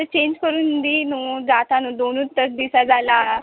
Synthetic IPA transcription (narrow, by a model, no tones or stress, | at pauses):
ət͡ɕẽɲd͡ʑkəɾuːnd̪inuːd͡zat̪anũːd̪onuːt̪ːəsd̪isad͡zala